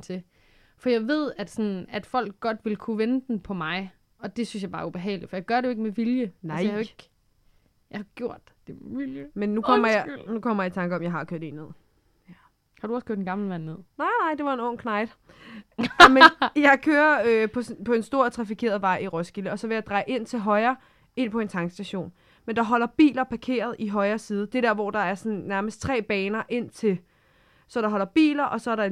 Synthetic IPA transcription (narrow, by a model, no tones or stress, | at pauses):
t͡sʰe̝ | fɒ̽jɑ̈ɪʋe̝ð̞̰ˠæd̥sɒ̽næd̥fɒ̽l̰ɡ̥̚ɡ̥ɒ̽d̥ʋe̝lkʰuʋenəd̥n̩pʰɒ̽mɑ̈ɪ | ɒ̽d̥e̝synsjɑ̈ɪb̥ɑ̈ːɐub̥e̝ɦɛ̰ːʊlid̥fɒ̽jɑ̈ɪɡ̥ɶɐɾejo̝eɡ̥̚meʋiljəjhɑeɡ̥ | jɑhɡ̥jo̝ɐ̰d̥ | emeʋiljəmenːukkʰɒm̰ɐjnukʰɒ̽m̰ɐjɑ̈it͡sʰɑ̈ŋɡ̥əɒ̽mjɑ̈ɪɦɑ̈kʰøɐd̥e̝̰ne̝ð̰ˠ | hɑ̈ɾ̥uɒskʰo̰ɐd̥enɡ̥ɑ̈ml̩ʋænːe̝ð̰ˠnɑɪnɑ̈ɪ̰d̥e̝ʋɑ̈e̝nɔ̽ŋ̰kʰnɑ̈ɪd̥ | mejɑ̈ɪkʰøːɐøpʰɒ̽spʰɒ̽e̝nsd̥o̝ɐ̰t͡sʰʁɑ̈fikʰe̝̰ːɐð̞̩ˠʋɑ̈ɪ̰iʁɔsɡ̥iləɒ̽sɒ̽ʋe̝jɑ̈d̥ʁɑ̈ɪʔe̝n̰t͡sʰe̝lɦɒ̽ɪɐː | e̝n̰pʰɒ̽e̝nt͡sʰɑ̈ŋɡ̥sd̥æɕo̝̰ːn | mend̥ɑ̈ɦɒ̽l̰ɐb̥ḭːlɐpʰɑ̈kʰe̝̰ːɐð̞ˠʔiɦɒ̽ɪɐːsiːð̞ˠəd̥e̝d̥ɛɐʋɒd̥ɑ̈æɐsɒ̽nnæɐməsd̥̚t͡sʰʁɛ̰ːb̥ɛːnɐʔe̝n̰t͡sʰe̝l | sɒ̽ɾ̥ɑ̈ɦɒ̽lɐb̥ḭːlɐʔɒ̽sɒ̽ɐɾɑ̈